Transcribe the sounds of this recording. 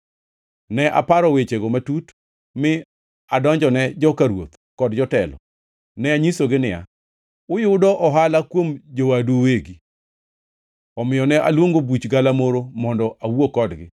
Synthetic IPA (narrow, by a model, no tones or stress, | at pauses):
nɛʔa̰paɾɔwet͡ʃeɡomatut | mɪ | adɔɲd͡ʒɔnɛd͡ʒɔkaɾwo̰t̪ | kɔdd͡ʒɔtɛlɔ̰ | nɛaɲisoɡɪnɪja̰ | ʊjʊdɔʔɔɦalakwomd͡ʒowaduweɡi | ɔmɪjɔnɛʔa̰lwoŋɡobut͡ʃɡalamoɾomɔndɔʔawuokɔdɡɪ̰